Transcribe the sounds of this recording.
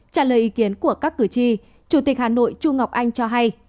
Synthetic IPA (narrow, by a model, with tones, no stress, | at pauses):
t͡ɕaː˧˩ləː˨˩jʔi˨˦ki˨˦ənku˧˩əkaː˦˥kːɨ˧˩t͡ɕi˧ | t͡ɕu˧˩t̪i˨˩k̟̚haː˨˩no̰˧˨jt͡ɕu˧ŋa˨˩wk͡p̚ʔa˧jŋ̟t͡ɕɔ˧ɦa˧j